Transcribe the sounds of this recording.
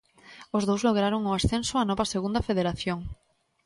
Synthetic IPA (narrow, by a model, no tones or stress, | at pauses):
ozðowzloɣ̞ɾaɾoŋʊasθensʊanɔβɐseɣund̪ɐfeðeɾaθjoŋ